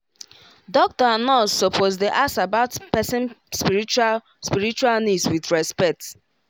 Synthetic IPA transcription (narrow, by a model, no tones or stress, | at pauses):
dɔk̚tɔanɔsɔpʰozdeʔasabaʊtpɛsɪ̃nspiit͡ʃ | spiɹit͡ʃualnidswidɹɛspɛk̚t